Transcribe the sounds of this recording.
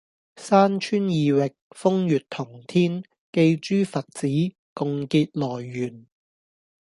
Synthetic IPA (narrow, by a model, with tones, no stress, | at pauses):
saː˥nt͡ʃʰyː˥njiː˨˧wɪ˨k̚fʊ˥ŋjyː˨t̚t̪ʰʊ˨˩ŋt̪ʰiː˥n | ke˧jt͡ʃyː˥fɐ˨t̚t͡siː˨˥ | kʊ˨˧ŋkiː˧t̚lɔː˨˩jːyː˨˩n